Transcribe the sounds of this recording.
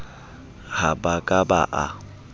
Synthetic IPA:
habakʼaba̰ʔa̰

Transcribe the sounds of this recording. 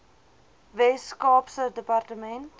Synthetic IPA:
vɛskɑːpsədəpartəmɛnt

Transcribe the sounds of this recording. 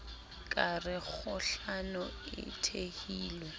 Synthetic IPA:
kʼarɪk͡xʰʊɬanʊɪ̰tʰehiːlɔ

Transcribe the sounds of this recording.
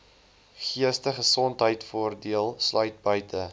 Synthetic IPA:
χiəstəχəsɔntɦəjtfuərdiəlˠslœɥt̚bœɥtʰə

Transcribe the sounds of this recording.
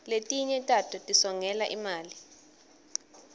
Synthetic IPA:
letʼiɲɛtʼatʰɔtʼisɔŋɛlaʔimaːli

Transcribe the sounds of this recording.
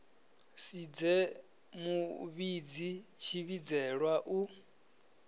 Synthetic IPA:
sid͡zɛ | muβid͡zit͡ʃʰiβid͡zɛɺwaʔu

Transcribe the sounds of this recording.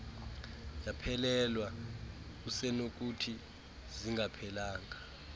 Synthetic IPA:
japʰɛlɛlwa | k̬usɛnok̬utʰi | ziŋɡʱapʰɛlaːŋa

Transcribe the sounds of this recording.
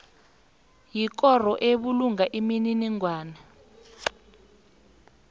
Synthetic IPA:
jik̬ɔr̤ɔʔeɓuluŋaʔimininiŋwaːnɛ

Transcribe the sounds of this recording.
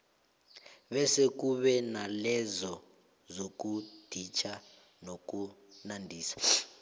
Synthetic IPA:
βɛsek̬uβɛnalɛzɔ | zok̬ud̥ʱit͡ʃʰa | nok̬u | nandʱiːsḁ

